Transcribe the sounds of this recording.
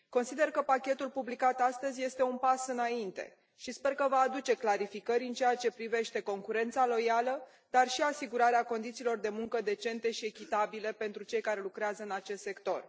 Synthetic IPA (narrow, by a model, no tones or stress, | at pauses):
ko̞nsid̪e̞rkəpakʲe̞t̪ulpublikat̪ast̪əzʲje̞st̪e̞unpasɨnaint̪e̞̰ | ʃispe̞rkəvaːd̪ut͡ʃe̞klaɾifikəɾʲɨnt͡ʃeat͡ʃe̞pɾive̞ʃt̪e̞ko̞ŋkuɾe̞nt̪salo̞jalə | d̪̥arʃiasiɡuɾaɾeako̞nd̪it̪siːlo̞rd̪e̞muŋkəd̪e̞t͡ʃe̞nt̪e̞ʃie̞kʲit̪abile̞pe̞nt̪ɾut͡ʃe̞jkaɾe̞lukɾeazəɨnat͡ʃe̞st̪sekt̪o̞̰r